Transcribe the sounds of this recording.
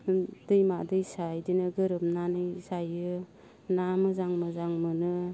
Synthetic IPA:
d̥ɯjmadɯjsajdinɯɡɯɾɯp̚nanɯjzajɯ | namɯzaŋmɯzaŋmɯnɯ

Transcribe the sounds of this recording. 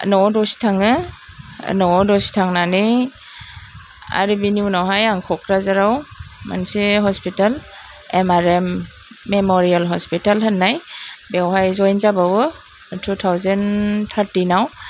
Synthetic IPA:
nɔdɔsi̥tʰaŋɯ̰ | nɔdɔsi̥tʰaŋnani | a̰ɾibiniunawɦajaŋkʰɔkɾazaɾawma̰nsiɦɔspital | emaɾemː | emɔɾialɦɔspitalɦɯnːajbewɦajzɔjnzabawɔ | tʰutʰawzant̪ʰaɾtinaw

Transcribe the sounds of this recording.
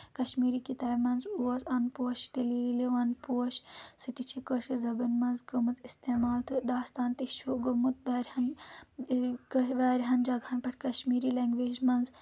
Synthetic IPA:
kɐʃmiːɾiːkit̪aːbmɐnzuɐzɐnpoːɐʃʈ̪elileʋɐnpuɐʃsɨʈ̪it͡ʃʰikəʃɐzɐbɐnmɐnzɡɐmut̪ist̪eːmaːlt̪ɨd̪aːst̪aːnt̪iʃoɡɐmut̪̚ʋaːɾhɐn | kʋaːɾɦɐnd͡ʒɐɡʱɐnpɐʈkɐʃmiːɾileŋɡʋeːd͡ʒmɐnz

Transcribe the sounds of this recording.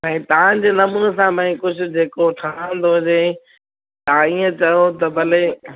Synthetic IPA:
ɛ̃t̪ɐʋ̤ãd͡ʑeːnɐmuːnsãbʱɐ̃ĩkʊd͡ʑʱʊ̆d͡ʑeːkoʈʰaãnd̪oɦʊd͡ʑeː | t̪ɐãiːə̃t͡ɕɐɦot̪ɐbʱɐle

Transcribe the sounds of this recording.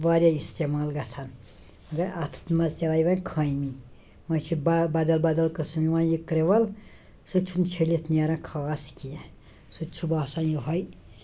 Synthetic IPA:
baɾjaist̪emaːlɡat͡sʰan | ɐɡɐɾat̪ʰt̪mɐzt̪eʋaːjʋãnkʰɐjmi | wɐ̃t͡ʃʰubbad̪ɐlbad̪ɐlkəsmiwãːjikɾeʋɐl | sut͡ʃʰunt͡ʃʰelet̪ʰnijaɾãkʰaːskie | sut͡ʃʰubaːsãnjiɦoj

